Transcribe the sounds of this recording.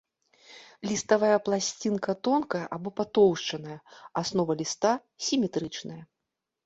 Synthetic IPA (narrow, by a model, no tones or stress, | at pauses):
lʲist̪avajɐplˠasʲt͡sʲinkɐt̪ɔnkɐjɐʔabɔpat̪ɔwʂt͡ʂɐnɐjɐasnɔvɐlʲist̪a | sʲimʲɛt̪ɾɨt͡ʂnɐjɐ